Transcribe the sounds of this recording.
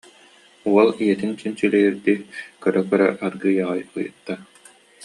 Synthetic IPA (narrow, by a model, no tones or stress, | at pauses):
uɔlˠijɛt̪int͡ɕynt͡ɕylɛiɾd̪ikœɾœkœɾœʔaɾɡɯːjaʁajɯjɯ̰t̪ːa